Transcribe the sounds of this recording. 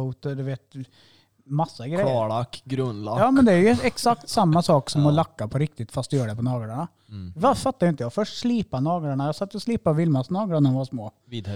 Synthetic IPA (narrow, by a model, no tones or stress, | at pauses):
t̪əd̪ɛʋeːt̪ | mɑsːɑɡɾɛːlakːɡɾɵnlajɑːmɛnd̪ɛæɾjʊɛksakt̪sɑmːasɑːksɔmɔlɑkːapʰɔɾɪk̚t̪ɪt̪fɑst̪ɛjøːɖɛpʰɔnɑːɡɾaɳa | ʋɑfɑt̪ːajʊɪnt̪əjɑɡfœʂʈʂliːpanɑːɡɾaɳajɑsɑt̪ːjɔsliːpaʋɪlmɑsnɑːɡlaɳɔʋɔsmoː | id̪